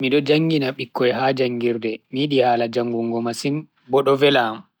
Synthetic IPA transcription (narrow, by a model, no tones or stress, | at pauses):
miɗɔd͡ʒaŋɡinaɓikːɔɛhaːd͡ʒaŋɡiɾdɛmiɗihaːlad͡ʒaŋɡuŋɡɔmasin | bɔɗɔvɛlam